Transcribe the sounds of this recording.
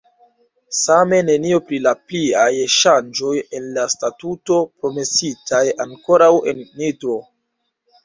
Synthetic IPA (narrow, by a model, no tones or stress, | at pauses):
same̞ne̞nio̞pɾilapliajʃand͡ʒo̞je̞nlastatuto̞pɾo̞me̞sitajaŋko̞ɾawe̞̰nːitɾo̞